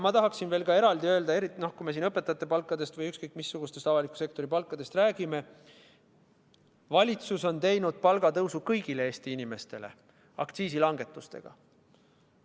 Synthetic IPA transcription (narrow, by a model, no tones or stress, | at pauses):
mɑt̪ɑɦɑksinve̞ːlkɑe̞ɾɑld̪iø̞ːld̪ɑe̞ɾit̪ːno̞hkujme̞siːnɤpːˑet̪ːˑɑt̪ːˑepɑlkːˑɑd̪e̞st̪vɤjykskɤjkːˑmisːuɡ̥ust̪e̞st̪ɑvɑlikːˑu̥se̞k̚t̪o̞ɾipɑlkːˑɑd̪e̞st̪ræːɡ̥ime̞ | vɑlʲit̪suso̞nt̪e̞jnud̪̥̚pɑlɡ̥ɑt̪ɤwsukɤjɡ̥ile̞e̞ːst̪iinime̞st̪e̞̰le | ɑ̰kt̪siːs̬ilɑŋɡ̥e̞t̪ːˑust̪e̞̰ɡ̥ɑ̰